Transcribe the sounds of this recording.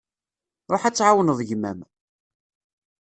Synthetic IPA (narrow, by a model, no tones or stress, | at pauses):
ɾˤoħæt͡sːʕawənəðˤəʝmæ̰m